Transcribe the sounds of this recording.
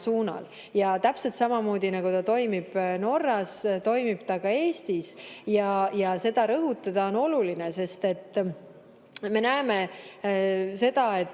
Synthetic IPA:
suːnɑ̰l | jɑt̪æpse̞lt̪sɑmɑmo̞ːd̪̥inɑɡ̥ut̪ɑt̪o̞jmib̥no̞rːɑst̪o̞jmib̥t̪ɑkɑe̞ːst̪isjɑjɑse̞d̪̥ɑɾɤɦut̪ˑːɑd̪̥ɑo̞no̞lulinese̞st̪e̞t̪ː | me̞næeme̞ | se̞d̪̥ɑe̞t̪ː

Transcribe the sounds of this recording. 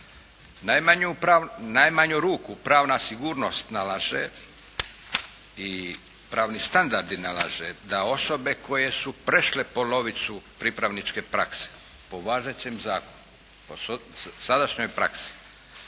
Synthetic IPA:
najmaɲuɾnajmaɲuɾuːkupɾaːʋnasiɡuːɾno̞st̪nalˠaʒḛ | i | pɾaːʋnist̪and̪aɾd̪inalˠa̰ʒḛd̪ao̞so̞be̞ko̞je̞supɾeʃle̞po̞no̞ʋit̪supɾipɾaʋnit͡ʃke̞pɾakse̥ | po̞ʋaːʒet͡ɕemzaːkonu | posad̪aʃɲo̞jpɾa̰ksi̥

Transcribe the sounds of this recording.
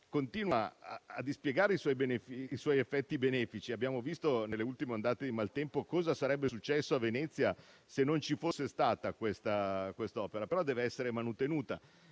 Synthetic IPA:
kont̪iːnwaa̰ːd̪ispjeɡaːɾeiswɔjbenefiːswɔjefːɛt̪ːibenɛːfit͡ʃiabːjaːmovist̪onelːeult̪imeand̪aːt̪ed̪imalt̪ɛmpokɔːzasaɾɛbːesut͡ʃːɛsːoavenɛt̪sːja | senːont͡ʃifosːest̪aːt̪akwest̪akwest̪aɔːpeɾapeɾɔd̪ɛːveɛsːeɾemanut̪enuːt̪a

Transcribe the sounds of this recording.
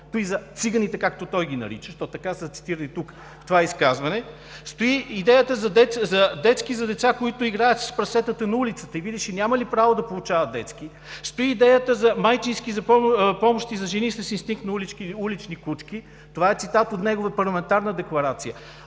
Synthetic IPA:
t̪oizɐt̪siɡənit̪ɛkakt̪ot̪ɔjɡʲinɐ̰ɾḭt͡ʃəʃt̪ɔt̪ɐkasət̪si̥t̪iɾənit̪uk | ft̪ovaɛiskazvɐnɛ | st̪oiːd̪ɛjət̪əzɐd̪ɛzɐd̪ɛt̪skizɐd̪ɛt̪sakoit̪ʊiɡɾajət̪sə̥spɾɐsɛt̪ət̪ənɐulit̪sə̥t̪əivid̪iʃɛnʲaməlipɾavod̪ɐpolˠʊt͡ʃavət̪d̪ɛt̪ski | st̪oiːd̪ɛjət̪əzɐmajt͡ʃinskizɐpɔpɔmoʃt̪izɐʒɛnisəsinst̪iŋk̚t̪nɐliulit͡ʃnikut͡ʃk̟i | t̪ovaɛt̪sit̪at̪ot̪nɛɡovəpɐɾlˠɐmɛnt̪aɾnəd̪ɛklˠɐɾat̪sijə

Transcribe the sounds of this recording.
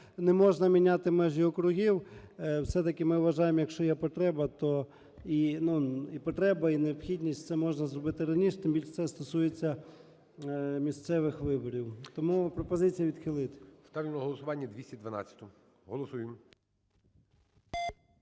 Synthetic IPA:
nemɔʒnɐmʲinʲat̪ɪmɛʒiɔkɾʊɦʲiwwsɛt̪ɐkɪmɪʋɐʒɑjemjɐkʃt͡ʃɔjɛpɔt̪ɾɛbɐt̪ɔ | inuipɔt̪ɾɛbɐineɔpxʲidʲnʲisʲtʲt̪sɛmɔʒnɐzrɔbɪt̪ɪɾɐnʲiʃt̪ɪmbʲilʲʃt̪sɛst̪ɔsujet͡sʲːɐ | mʲist̪sɛʋɪxʋɪbɔɾʲiwt̪ɔmupɾɔpɔzɪt͡sʲijɐʋʲid̪xɪlˠɪt̪ɪ̥st̪ɑʋʲimnɐɦɔlˠɔsʊʋɑnʲːɐd̪ʲʋʲisʲtʲid̪ʋɐna̰t͡sʲːɐ̥t̪ʊ | ɦɔlˠɔsujɪm

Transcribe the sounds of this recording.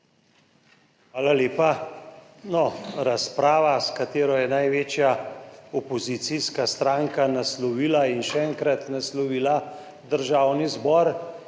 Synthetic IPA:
xʋaːlaleːpa | nɔɾaspɾaːʋaskat̪eːɾɔjɛnajʋeːt͡ʃjaɔpɔzit̪siskast̪ɾaːŋkanaslɔʋiːlainʃɛɛŋkɾat̪naslɔʋiːla | d̪əɾʒaːwnizbɔːɾ

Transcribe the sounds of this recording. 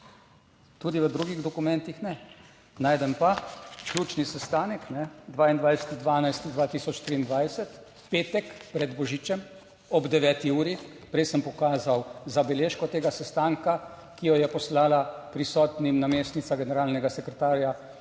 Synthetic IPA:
t̪uːd̪iʋəd̪ɾuːɡiɣd̪ɔkumɛnt̪ixnɛ | naːjd̪ɛmpaklʲuːt͡ʃnisɛst̪aːnɛknɛd̪ʋaːind̪ʋajsɛ̥t̪id̪ʋaːnajst̪id̪ʋaːt̪iːsɔt͡ʃt̪ɾiːnd̪ʋajsɛt̪ | peːt̪ɛkpɾɛd̪bɔʒiːt͡ʃɛm | ɔbd̪ɛʋɛːt̪iuːɾi | pɾɛjsəmpɔkaːzawzabɛleːʃkɔt̪eːɡasɛst̪aːŋka | kijɔjɛpɔslaːlapɾisɔt̪nimnameːst̪nit̪saɡɛnɛɾaːlnɛɡasɛkɾɛt̪aːɾja

